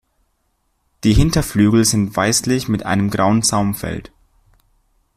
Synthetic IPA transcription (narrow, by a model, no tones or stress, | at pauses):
d̥iːɦɪntɐflyːɡl̩zɪntv̥aɪslɪçmɪtʔa̰ɪnəmɡʁaʊənt͡saʊmfɛ̰lt